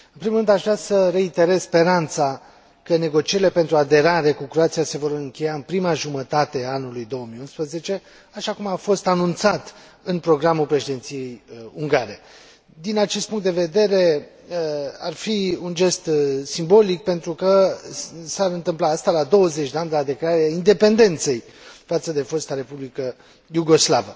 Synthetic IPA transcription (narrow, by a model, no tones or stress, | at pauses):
ɨnpɾimulɾɨnd̪aʃvɾasəre̞it̪e̞ɾezspe̞ɾant̪sa | kəne̞ɡo̞t͡ʃieɾile̞pe̞nt̪ɾuad̪e̞ɾaɾe̞kukɾoat̪sijase̞vo̞ɾɨŋkʲe̞jaɨnpɾimaʒumət̪at̪e̞aanulujd̪o̞wəmiunspɾəze̞t͡ʃe̞ | aʃakumafo̞st̪anunt̪sat̪ | ɨnpɾo̞ɡɾamulpɾe̞ʃid̪e̞nt̪sije̞juŋɡaɾe̞ | d̪inat͡ʃe̞st̪puŋt̪d̪e̞ve̞d̪e̞ɾe̞ | arfiund͡ʒe̞st̪simbo̞lik̚pe̞nt̪ɾukə | saɾɨnt̪ɨmplaast̪alad̪o̞wəzet͡ʃʲd̪eand̪ead̪e̞kleaɾeaind̪e̞pe̞nd̪e̞nt̪se̞j | fat̪səd̪e̞fo̞st̪aɾe̞publikə | juɡo̞slavə